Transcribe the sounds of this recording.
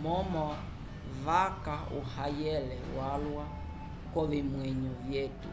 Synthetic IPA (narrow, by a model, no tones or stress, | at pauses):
mɔmɔ | vakaṵhajɛlɛwalwa | kɔʋimwɛɲuvjɛtṵ